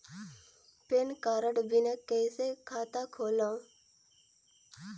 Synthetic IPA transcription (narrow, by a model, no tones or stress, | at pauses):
penkaːɾəɽbɪnakɛːsekʰaːt̪akʰoːlã